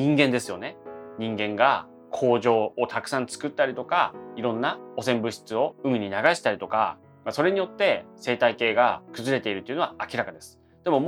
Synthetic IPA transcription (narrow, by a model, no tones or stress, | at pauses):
ĩŋɡẽnd̪esɨjo̞ne̞ɲ̟ĩŋɡẽ̞ŋɡa | kʰo̞ːʑo̞ːot̪akɯ̟̥sãnt͡sɨ̥kɯ̟t̪ːaɾʲit̪o̞kaiɾõ̞nːao̞sẽ̞mbɯ̟ɕi̥t͡sɨo̞ɯ̟mʲiɲ̟inaɡaɕi̥t̪aɾit̪o̞ka̰ | maso̞ɾe̞ɲ̟ijo̞t̪ːe̞se̞ːt̪aike̞ːɡakɯ̟zɨɾe̞t̪e̞iɾɯt̪ːeiɯ̟noaakʲiɾakad̪e̞sɨ̥ | d̪̥e̞mo̞m